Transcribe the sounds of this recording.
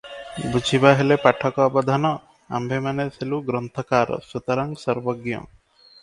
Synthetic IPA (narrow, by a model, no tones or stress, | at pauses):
bud͡ʒʱibaɦelepaʈʰɔkɔːbɔd̪ʱanɔ | a̰mbʱemanesʰeluɡɾɔnt̪ʰɔkaɾɔ̰sut̪aɾaŋsɔɾbɔɡjɔ̰